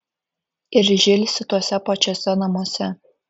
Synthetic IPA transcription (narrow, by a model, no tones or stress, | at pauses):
ɪrʲʒelʲsʲɪt̪ɔsʲɛpɑt͡ʃʲosʲɛnɐmoɔsʲɛ